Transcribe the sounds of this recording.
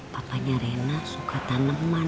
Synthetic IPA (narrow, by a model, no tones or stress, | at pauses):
papaɲaɾenasukat̪anəmːa